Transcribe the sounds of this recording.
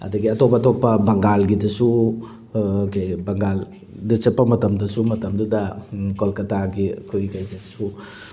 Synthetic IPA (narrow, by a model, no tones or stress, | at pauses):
ɐ̰dɐɡiɐtopɐɐtopːɐbɐŋɡalɡidɐsu | kajbɐŋɡal | dɐsepːɐmɐtɐmdɐsumɐtɐmdudɐkolkɐtaɡḭkʰojɡikajdɐsu